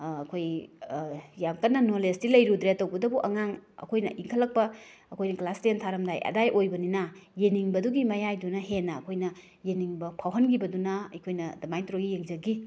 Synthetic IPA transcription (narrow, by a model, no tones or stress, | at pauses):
ɐkʰoj | jamkɐnːɐnolestilɐjɾudɾetːɐwbɐdɐbuʔɐŋaŋɐ̰kʰojnɐ̰ʔiŋkʰɐlːɐk̚pɐɐkʰojnɐklastentʰaɾɐmdajɐ̰dajʔojbɐninɐjeniŋbɐduɡimɐjajdunɐɦenːɐːkʰojnɐ | jeniŋbɐpʰawɦɐnɡibɐdunɐɐ̰jkʰojnɐdɐmajtʰuɾoɡijeŋzɐɡi